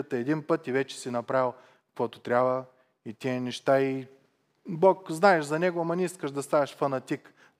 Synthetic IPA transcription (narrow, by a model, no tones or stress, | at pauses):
ət̪əɛd̪inpɤt̪ivɛt͡ʃɛ̥sinɐpɾavilˠ | kkvɔt̪ot̪ɾʲabə | it̪ʲiənɛʃt̪ai | bokznaɛʃzɐnɛɡoɐmɐnʲɛiskəʒd̪ɐst̪avɛʃfɐnɐt̪ik